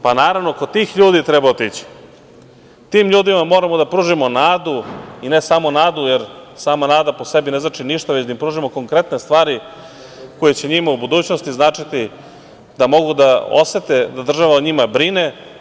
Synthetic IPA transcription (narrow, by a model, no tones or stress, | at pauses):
panaːɾaʋno̞kod̪̚t̪ːiːxʎuːd̪it̪ɾebaot̪it͡ɕi̥ | t̪iːmʎuːd̪imamo̞ːɾamo̞d̪apɾuːʒimo̞naːd̪uine̞saːmo̞naːd̪ujeɾsaːmanaːd̪apo̞se̞bine̞znat͡ʃiniʃt̪aʋet͡ɕd̪aimpɾuːʒimo̞ko̞ŋkɾe̞t̪ne̞st̪ʋaːɾi | ko̞jet͡ɕe̞ɲimaubud̪uːt͡ɕno̞st̪iznaːt͡ʂit̪i | d̪amo̞ɡud̪ao̰se̞t̪ed̪ad̪r̩ʒaʋauɲimabɾine̞